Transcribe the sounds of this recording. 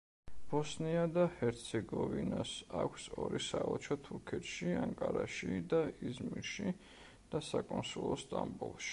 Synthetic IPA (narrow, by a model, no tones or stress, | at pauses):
b̥ɔsniad̪ahɛɾt̪sʰɛɡɔvinasakʷʰsɔɾisaɔt͡ʃʰɔt̪ʰuɾkʰɛt̪ʃiaŋkʼaɾaʃid̪aizmiɾʃi | d̪̥asakʼɔnsulˠɔst̪ʼambulˠʃi̥